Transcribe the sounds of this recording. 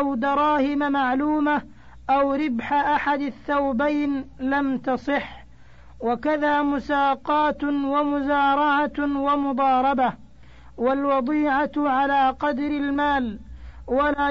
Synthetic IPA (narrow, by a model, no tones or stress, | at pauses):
ʔawd̪ɑɾˤɑːhɪmamaʕluːma | ʔawɾɪbħaʔaħad̪aθːawbajnlamt̪ɑsˤɨħː | wakaðaːmʊsaːqɑːt̪wamʊzaːɾˤɑʕawamʊd̪ˤɑːɾˤɑba | walwɑd̪ˤiːʕaʕalaːqɑd̪ɾɪlmaːlwalaː